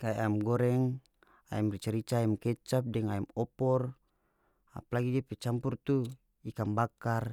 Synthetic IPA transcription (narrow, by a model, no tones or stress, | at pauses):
kaɛamɡɔɾɛŋ | a̰ɛmrit͡ʃaɾit͡ʃaɛmkɛt͡ʃap̚dɛŋaɛmɔpɔr | a̰palaɡid͡ʒɛpɛt͡ʃampurt̪u | ikambakar